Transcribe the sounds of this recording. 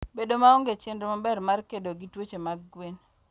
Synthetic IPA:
bedomaɔŋɡet͡ʃendomabɛrmarkedoɡitwot͡ʃemaɡɡwen

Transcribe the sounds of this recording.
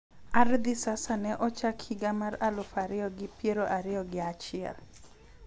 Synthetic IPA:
aɾd̪ɪsasanɛʔɔt͡ʃakʰhɪɡamaralʊfaɾɪjɔɡɪpjeɾoʔaɾɪjɔɡɪat͡ʃɪɛ̰l

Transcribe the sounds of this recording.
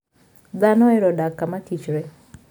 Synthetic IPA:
d̪anɔɛɾɔdakːamatit͡ʃɾɛ

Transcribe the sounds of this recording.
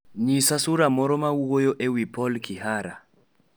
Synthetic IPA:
ɲisasuɾamɔɾɔmauwojoʔewipʰɔlkʰiɦaɾa

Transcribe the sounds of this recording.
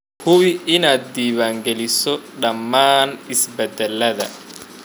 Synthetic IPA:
hʊwɪɪnaːt̪̚d̪iːwaːŋɡɛlɪsɔɗɐmːaːnɪsbɛd̪ɛlːɐðɐ̰

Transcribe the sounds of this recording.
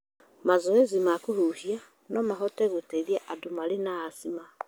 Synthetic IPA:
mazoezimakuhuhia | nɔmaɦɔteɣoteðjaʔadumalenaːsima

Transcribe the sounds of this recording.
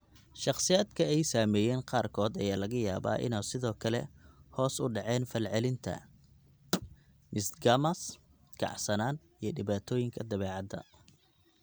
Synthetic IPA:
ʃɑχsɪjaːd̪kʰɐɛjsaːmɛːjɛːnqɑːrkʰɔːd̪ɐjaːlɐɣɐjaːβa̰ːʔɪ̰nɛsɪðɔːkʰɐlɛ̰hɔːsʊɖɑʕɛːnfɐlʕɛlɪnt̪ʰɐ̰ | mɪsɡɐmɐs | kʰɑ̰ʕsɐnaːn | ijɞɖɪβaːt̪ʰɔːjɪŋkʰɐd̪ɐβɛːʕɑd̪ɐ̰

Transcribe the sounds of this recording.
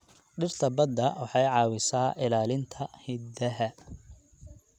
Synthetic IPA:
ɖɪrt̪ʰɐbɐd̪ːɐwɑħɑjʕɑːwɪsaːʔɪlaːlɪnt̪ʰɐhɪd̪ɐɦɐ

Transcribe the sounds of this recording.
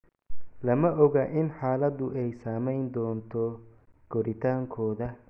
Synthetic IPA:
lɐmɐʔɔɣaʔɪnħaːlɐd̪ʊʔɛjsaːmɛjnd̪ɔːnt̪ʰɔ | ɡ̥ɔɾɪt̪ʰaːŋkʰɔːðɐ

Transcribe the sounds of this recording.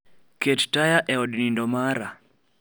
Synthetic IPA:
kɛttajaʔɛɔɗnindɔmaɾa

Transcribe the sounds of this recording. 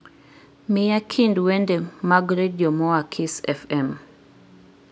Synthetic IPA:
mɪjakʰindwɛndɛmaɡɾedjɔmɔakʰisɛfɛm

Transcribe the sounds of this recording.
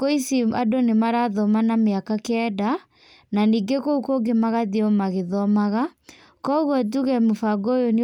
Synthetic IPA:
koisiadonemaɾaðɔmanameakakɛda | naniːɡekoukoɡemaɣaðeɔmaɣeðɔmaɣa | kɔɣwɔt̬uɣɛmofaɡojone

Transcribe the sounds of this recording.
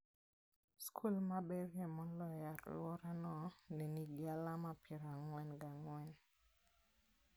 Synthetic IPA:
skʰulmabɛrɛmɔlɔjaɾlwɔɾanɔneniɡɪalamapʰɪɾaŋwɛnɡaŋwɛn

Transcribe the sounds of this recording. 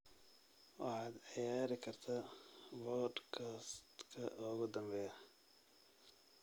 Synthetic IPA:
wɑ̰ħɑːd̪ʕɪjaːɾɪkʰɐrt̪ʰawɔɖkʰast̪kʰɐ̰ʔɔːɣʊd̪ɐmbɛjɐ

